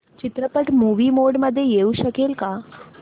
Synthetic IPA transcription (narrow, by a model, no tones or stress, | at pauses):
t͡ʃɪt̪ɾəpəʈmuːʋimoɖməd̪ʱːjejeuʃəkelka